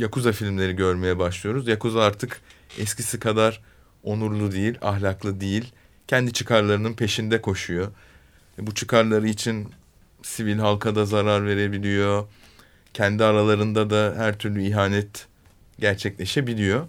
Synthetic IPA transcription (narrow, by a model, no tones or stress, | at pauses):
jakuzafilʲmlʲe̞ɾiɟø̞ɾme̞jɛbaʃlˠɯjo̞ɾuzjakuzaaɾt̪ʰɯkɛscʰisikʰad̪aɾ | o̞nuɾlˠud̪ejilʲa̰ɦlʲaklˠɯd̪ejilʲ | cʰɛnd̪it͡ʃʰɯkʰaɾlˠaɾɯnɯnpʰe̞ʃind̪ɛkʰo̞ʃujo | ɛbut͡ʃʰɯkʰaɾlˠaɾɯit͡ʃʰin | sivilʲɦalˠkʰad̪azaɾaɾve̞ɾe̞bilʲijo̞ | cʰɛnd̪iaɾalˠaɾɯnd̪ad̪aɦæɾt̪ʰyɾlʲyiɦaːnɛt̪ | ɟæɾt͡ʃʰɛclʲe̞ʃe̞bilʲijo̞